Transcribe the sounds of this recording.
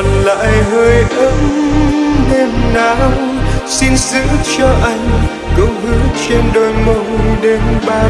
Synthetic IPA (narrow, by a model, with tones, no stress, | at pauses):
ə˨˩nla̰ː˧˨jɦəː˧jʔə˨˦m | ne˧mnaː˨˦w | si˧nzɨ̰˧˥t͡ɕɔ˧ʔa˧jŋ̟ | kə˨˧˦wɦɨ˨˧˦t͡ɕe˧nɗo˧jmə˧wɗe˨˦nɓaː˧